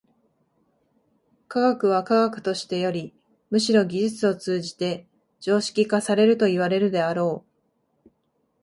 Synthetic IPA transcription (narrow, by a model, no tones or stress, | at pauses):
kaɡakɯ̟β̞akaɡakɯ̟̥t̪o̞ɕi̥t̪e̞jo̞ɾʲi | mɯ̟ɕiɾo̞ɡʲiʑit͡sɨo̞t͡sɨːʑit̪e̞ | d͡ʑ̥o̞ːɕi̥kʲikasaɾe̞ɾɯ̟t̪o̞iβ̞aɾe̞ɾɯ̟d̪e̞aɾo̞ː